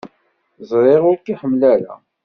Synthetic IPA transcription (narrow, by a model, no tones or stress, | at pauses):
zˤɾˤeʁʊɾkiħəmːlæɾæ̰